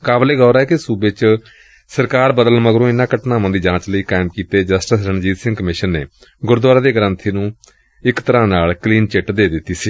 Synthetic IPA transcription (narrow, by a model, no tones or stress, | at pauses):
kaːbleːɡɔːɾaːɛːkesuːbet͡ʃ | səɾkaːɾbəd̪əlməɡɾõːɪnãːkəʈnãːmãnd̪iːd͡ʒãːt͡ʃləiːkaːɪmkiːt̪eːd͡ʒəsʈəsɾəɳd͡ʒiːt̪sɪ̃ŋɡkəmɪʃənːḛː | ɡʊɾd̪waːɾaːd̪eːɡəɾə̃nt̪ʰiːnũː | ɪkt̪əɾãːnaːlkliːnt͡ʃɪʈd̪eːd̪ɪt̪ːiːsiː